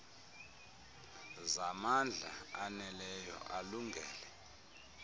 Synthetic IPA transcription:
zamand͡ɮʱa̰anɛlɛjɔ̰ʔaluŋɡʱɛːlɛ

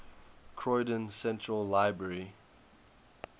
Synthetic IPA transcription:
kʰɹɔɪdə̃nsɛ̃ntɹəlːaɪbɹɛɹi

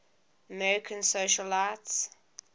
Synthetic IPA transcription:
əmɛɹɪkʰə̃nsoʃəlaːts

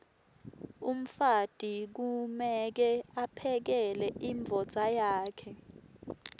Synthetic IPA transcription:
um̩fad̥ʱik̬umɛk̬ɛapʰɛk̬ɛlɛʔiɱb̪vʱɔd̥z̥ʱajaːkʰɛ

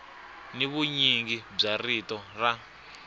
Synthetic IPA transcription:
niβuɲiŋɡib͡ʐaritɔra

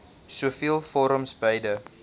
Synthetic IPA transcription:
suəfiəlˠfɔɾəmsbəjdə

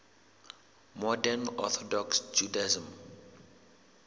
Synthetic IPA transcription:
mɔdɛnɔ̰t̪ʰɔdɔksd͡ʒudaizə̃m

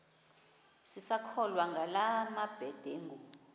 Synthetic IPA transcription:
sisakʰɔlwaŋɡʱalamab̥ʱɛd̥ʱeŋɡʱu

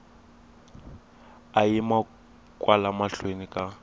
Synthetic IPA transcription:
ajima | kʼwalamaɬwenikʼa

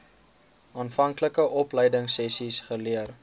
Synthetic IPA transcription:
ɑːnfɐŋkləkəʔɔpləjdəŋsɛsisχəliər

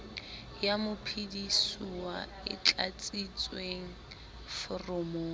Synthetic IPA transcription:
jamʊpʰidisuwa | ɪ̰t͡ɬʼa̰t͡sʼit͡sʼweŋ̩ | fʊrʊmoː

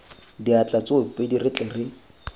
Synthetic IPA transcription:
diat͡ɬʼat͡sʼʊʊpʼedirɪt͡ɬʼɛrɪ

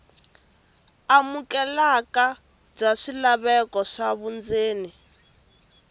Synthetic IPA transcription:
amukɛlaka | b͡ʐaʂilaβɛkɔʂaβund͡zeːni

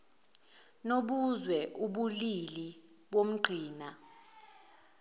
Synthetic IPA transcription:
noɓuzwɛʔuɓulili | ɓom̩ɡ͡ǃʱiːna

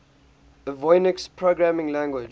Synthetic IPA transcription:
ðəvɔɪnɪkspʰɹoɡɹæmɪ̃ŋlæ̃ŋɡwɪd͡ʒ

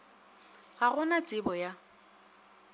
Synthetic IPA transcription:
ɣaɣʊnat͡sʼɪbɔja

